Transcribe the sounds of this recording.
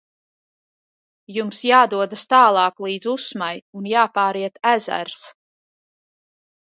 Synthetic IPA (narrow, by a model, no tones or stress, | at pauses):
jumsjaːd̪uɔd̪ast̪aːlˠɑːklˠiːd̪zusmajunjaːpaːɾiɛt̪æzæ̰ɾs